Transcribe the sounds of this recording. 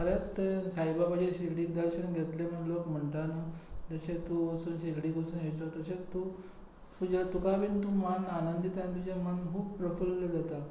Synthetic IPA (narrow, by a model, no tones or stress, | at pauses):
kʰəɾet̪sajbabəd͡ʑeɕiɡɽid̪əɾɕənɡʱet̪lem̤əlokm̤əɳʈ̪anad͡zəɕet̪uəsuːnɕiɡɽiːkəsuːneʋsət̪əset̪u | t̪ud͡ʑat̪ukabiːnt̪umananənd̪it̪anit̪̬ud͡ʑemənkuːbpɾəfulːd͡zat̪a